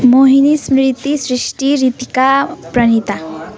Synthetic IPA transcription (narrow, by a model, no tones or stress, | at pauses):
moɦinismɾɾit̪isɾiʃʈiɾit̪ikapɾɐnit̪a